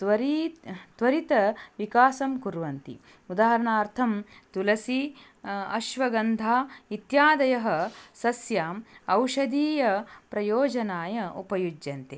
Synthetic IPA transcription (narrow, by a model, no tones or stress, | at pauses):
t̪ʋɐɾit̪ʋɐɾit̪ɐʋikaːsɐmkuɾʋɐnt̪ḭ | ud̪aːɦɐɾɐɳaːɾt̪ʰɐmt̪ulɐsi | ɐʃʋɐɡɐnd̪ʱaːit̪jaːd̪ɐjɐɦɐ̆sɐsjaːmɐwʃɐd̪iːjɐpɾɐjoːd͡ʒɐnaːjɐupɐjud͡ʒjɐnt̪e